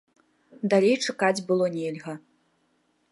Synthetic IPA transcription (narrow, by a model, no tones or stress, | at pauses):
d̪alʲejt͡ʂakad͡zʲbɨlˠɔnʲelʲɣɐ